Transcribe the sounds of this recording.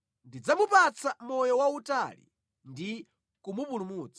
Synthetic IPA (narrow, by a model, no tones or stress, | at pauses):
ndid͡zamupat͡sʰamɔjɔwautalḭ | ndi | kumupulumuːt͡sḁ